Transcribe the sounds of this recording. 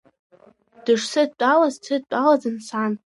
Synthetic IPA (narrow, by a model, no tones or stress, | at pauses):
d̥ɨʂsɨd̚t͡pʷʼalaztʰɨd̚t͡pʼalazɨnsan